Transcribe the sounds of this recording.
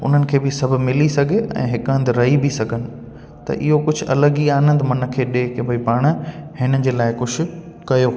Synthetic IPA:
ʊ̰n̤ənɪ̆kʰeːbɪsɐbʱʊmɪlisɐɡʱeɛ̰̃ːɦɪkə̃nd̪ɾɐɦibʱisɐɡʱənɪ̆ | t̪ɐ̰ʔɪɦokʊd͡ʑʱʊ̆ɐ̰ləɡiaːnə̃nd̪ɪmɐn̆kʰeːɗeːkẽbʱɐipaːɽ̃hɪnəd͡ʑeːlaːɪkʊʃʰʊ̆kɐjoː

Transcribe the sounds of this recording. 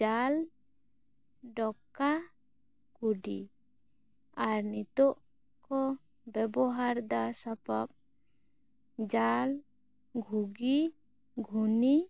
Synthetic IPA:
d͡ʒal | ɖɔka | kuɖḭ | aɾnit̪ɔʔ | kɔ | bɛbɔɦaɾd̪asapap̚ | d͡ʒal | ɡʱuɡi | ɡʱuni

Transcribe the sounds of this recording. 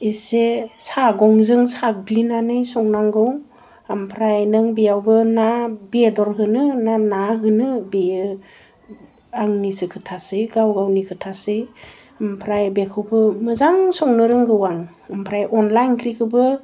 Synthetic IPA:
isesaɡɔŋzɯŋsaɡlinanɯjsɔŋnaŋɡɯw | ampʰɾajnɯŋbijawbɯnabiedɔɾɦɯnɯnanaɦɯnɯbejɯ | aŋnisɯkʰɯtʰasɯɡawɡawnikʰɯtʰasɯ | ampʰɾajbekʰɯwbɯmɯzaŋsɔŋnɯɾɯŋɡɯwaŋ | ampʰɾajʔɔnlajnkʰɾikʰɯbɯ

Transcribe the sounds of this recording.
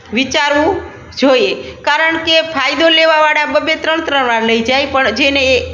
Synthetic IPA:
ʋit͡ʃaɾʋũ | d͡ʒojekaɾəɳkepʰajd̪oleʋaʋaɽabəbet̪ɾəɳt̪ɾəʋaɾləid͡ʒajpəɳd͡ʒene

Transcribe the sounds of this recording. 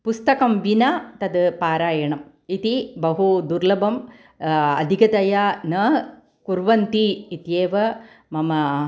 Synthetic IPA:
pust̪ɐkɐmʋinɐt̪ɐd̪ɨpaːɾaːjɐɳɐm | it̪ibɐɦud̪uɾlɐbɐm | ɐ̰d̪ʱikɐt̪ɐjanɐ | kuɾʋɐnt̪iːt̪jeːʋɐ | mɐmɐ

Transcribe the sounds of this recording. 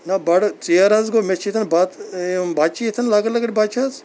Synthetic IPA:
nɐbɐɽt͡sijaɾazɡomet͡ʃʰit̪ʰɐnbat̪baːt͡ʃit̪ʰɐnlaːɡɐlɐɡɐɽʲbat͡ʃʰaz

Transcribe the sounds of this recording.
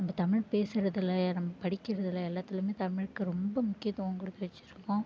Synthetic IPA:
nɐmbɐt̪ɐmɪɻpeːsɪɾɐðɪlɐnɐmːɐpɐɽɪkːɪɾɐðɪlɐɛlːaːt̪ːɪlɯmeːt̪ɐmɪɻɯkːɯɾɔmbɐmʊkːɪjɐt̪ːɐõŋkʊɽɯt̪ːɪʋɐt͡ʃːɪɾɯkːõː

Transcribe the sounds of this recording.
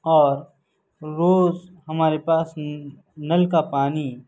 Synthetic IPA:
ɔːɾ | ɾoːzɦɐmaːɾepaːs | nɐlkapaːni

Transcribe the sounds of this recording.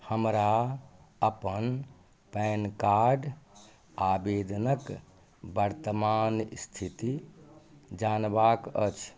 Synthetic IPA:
həmɾa | əpən | pɛnkaɾɖ | abed̪ʱnək | bəɾt̪əmanst̪ʰit̪i | d͡ʒanbakə̰t͡ʃʰ

